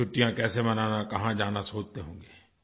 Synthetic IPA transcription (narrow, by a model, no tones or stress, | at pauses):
ʊʈːijãkɛːsemɐnaːnakɐɦãd͡ʒaːnasoːd͡ʒt̪eɦõːŋɡeː